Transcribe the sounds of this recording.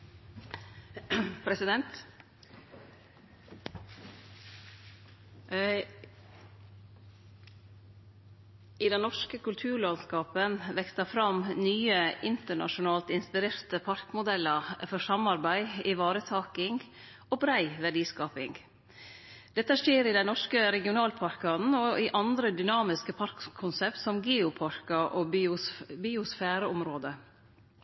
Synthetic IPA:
pʰɾɛsɪd̪ɛnt̪ | ɪd̪ɛnnɔʂkəkʉlt̪ʰʉːɾɭɑnskɑːpənʋɛkst̪əfɾɑmnyːəʔɪnt̪əɳɑ̰ʃʊnɑːlt̪ɪnspɪɾeːɾt̪əpʰɑɾkmʊd̪ɛlːəfɔʂɑmɑɾbæɪɪʋɑːɾət̪ʰɑːkɪŋ | ɔbɾæɪʋæɖiːskɑːpɪŋɡ | d̪ɛt̪ːəʂeːɾɪd̪ɛnɔʂkəɾɛɡɪʊnɑːlpʰɑɾkɑnn̩ɔɪʔɑnd̪ɾəd̪ʏnɑːmɪskəpʰɑɾkʰːʊnsɛpt̪sɔmɡeːʊpʰɑɾkɑʔoː | bɪʊsfæːɾəʊmɾoːd̪ə

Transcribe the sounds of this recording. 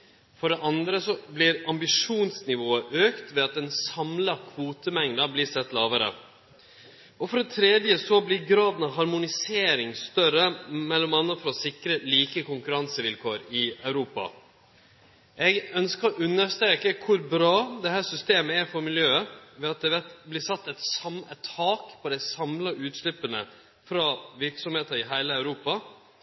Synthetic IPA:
fɔɖɛʔɑnd̪ɾəsɔblɪɾɑmbɪʂuːnsnɪʋoːəʔøːkt̪ʋɛɑt̪̚d̪ɛnsɑmlɑkʰʋuːt̪əmɛŋd̪ɑblɪsɛt̪ːlɑːʋəɾə̰ | ɔfɔɖɛt̪ʰɾɛd̪jəsɔblɪɾɡɾɑːd̪n̩ɑɦɑɾmʊnɪseːɾɪŋst̪œɾəmɛlːɔmɑnːəfɔɾɔsɪkɾəliːkəkʊŋkʉɾɑnsəʋɪlkʰoːɾɪœʉɾuːpɑ̰ | ʔɛɡœnskəɾʔʉnːəst̪ɾeːkəkʰʊɾbɾɑːd̪ɛhæːsʏst̪eːməɛɾfɔɾmɪljøːəʋɛɑt̪̚d̪ɛʋɛt̪blɪsɑt̪ːɛt̪sɛt̪ʰhɑːkpʰɔd̪æɪsɑmlɑʔʉːt̪slɪpːənə | fɾɑʋɪɾksɔmheːt̪əɾɪɦæɪləœʉɾuːpɑ

